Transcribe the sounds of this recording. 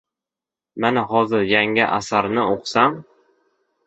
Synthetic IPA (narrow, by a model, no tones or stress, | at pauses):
manaɦɒzɪɾjaŋɪʔa̰saɾnɪʔoqʰsam